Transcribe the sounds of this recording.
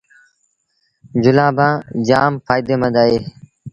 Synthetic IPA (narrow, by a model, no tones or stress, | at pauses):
d͡ʒʊlãːbʱãːd͡ʒaːmfʰaːjd̪eːmə̃d̪aːɦeː